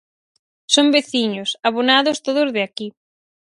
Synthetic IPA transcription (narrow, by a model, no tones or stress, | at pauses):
sombeθiɲosaβ̞onaðʊst̪oðʊzðɪaki